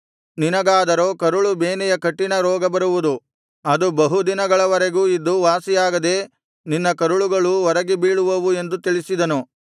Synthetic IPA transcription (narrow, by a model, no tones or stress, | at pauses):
ninɐɡaːd̪ɐɾoːkɐɾuɭubeːnɛjɐkɐʈːinɐɾɔːɡɐbɐɾuʋud̪u | ɐd̪ubɐɦud̪inɐɡɐɭɐʋɐɾeɡuːid̪ːuʋaːsijaːɡɐd̪eː | ninːɐkɐɾuɭuɡɐɭuɔɾɐɡibiːɭuʋɐʋue̞nd̪ut̪iɭisid̪ɐnu